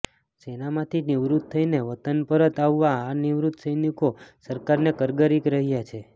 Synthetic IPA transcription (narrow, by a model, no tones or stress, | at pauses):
senamãt̪ʰiniʋɾut̪̚tʰːəineʋət̪ənpəɾət̪aʋːaːniʋɾut̪səjnikosəɾkaɾnekəɾɡəɾikɾəɦjat͡ʃʰe